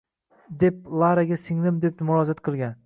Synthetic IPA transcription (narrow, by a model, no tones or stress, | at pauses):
d̪e̞p̚lˠaɾaɡʲasɪŋlɪmd̪ep̪̚mʊɾɒzat̪qʰɨlˠɡʲan